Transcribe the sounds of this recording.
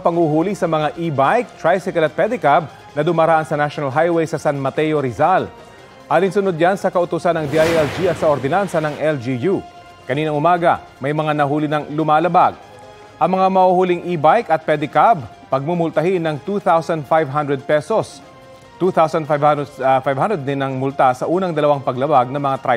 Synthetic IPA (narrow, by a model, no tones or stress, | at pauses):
pɐŋhuɦuːlisɐmɐŋaʔibajk̚t̪ɹajsɪkɐlɐt̪̚pɛd̪ɪkab̚ | nɐd̪ʊmɐɾaːʔɐnsɐnaʃonɐlɦajwɛjsɐsanmɐt̪ɛjoɾizal | ʔaːliŋsʊnod̪̚jansɐkɐʔʊt̪ʊsanɐŋd̪iʔajɛld͡ʒiɐt̪sɐʔoɾd̪ɛnansɐnɐŋʔɛld͡ʒiju | kɐniːnɐŋʔʊmaːɡɐ̰ | mɐjmɐŋanɐɦuːlɪnɐŋlʊmaːlɐbaɡ̚ | ʔɐŋmɐŋamɐhuhuliŋʔibajkɐt̪̚pɛd̪ɪkab̚ | pɐɡ̚mumʊlt̪ɐhinɐŋt̪uθawsɐnd̪̚fajvɦɐnd̪ɾɛd̪̚pɛsos | t̪uθawsɐnd̪fvfajvhand̪ɾɛd̪̚nɪnɐŋmʊlt̪asɐʔuːnɐŋd̪ɐlɐwaŋpɐɡlɐbaɡ̚nɐmɐŋat̪ɾa